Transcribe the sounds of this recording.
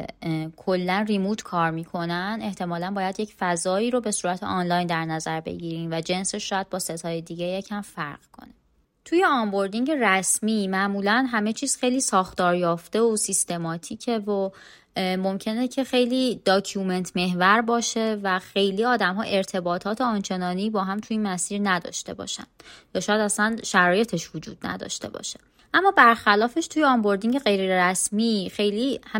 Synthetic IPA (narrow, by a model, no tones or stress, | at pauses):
kʰo̞lːænrimuːt̪ʰkʰɒːɾmiːkʰo̞næne̞ht̪ʰe̞mɒːlænbɒːjæd̪je̞cfæzɒːiːɾobe̞suːɾæt̪ʰḛʔɒnlɒjnd̪æɾnæzæɾbḛɟiːɾiːnvæd͡ʒe̞nse̞ʃʃɔːjæd̪̚bɒːset̪ʰɒːjed̪iːɟejecʰæmfæɾɢ̥kʰo̞̰ne | t̪ʰujeɒmbo̞ɾd̪iŋɟe̞ræsmiːmæʔmuːlænɦæme̞t͡ʃʰiːz̥xe̞jliːsɒːxt̪ɒːɾjɒːft̪e̞osist̪e̞mɒːt̪ʰiːcʰevo | mo̞mcʰe̞necʰe̞xe̞jliːd̪̥ɒːcʰume̞nt̪ʰme̞ɦvæɾbɒːʃe̞væxe̞jliːɒːd̪æmɦɒ̰ːʔe̞ɾt̪ʰe̞bɒːt̪ʰɒːt̪ʰeɒnt͡ʃʰe̞nɒːnibɒːɦæmt̪ʰuiːnmæsiːɾnæd̪ɒ̰ːʃt̪e̞̰bɒ̰ːʃæ̰nd̪̥jɒːʃɒːjæd̪æsænʃæɾɒːje̞t̪ʰe̞ʃvod͡ʒṵːd̪̚næ̰d̪ɒ̰ːʃt̪e̞̰bɒ̰ːʃe | ʔæmːɒːbæɾxælɒːfe̞ʃt̪ʰujeɒmbo̞ɾd̪iŋɟeɣe̞jɾeɾæsmixe̞jliːh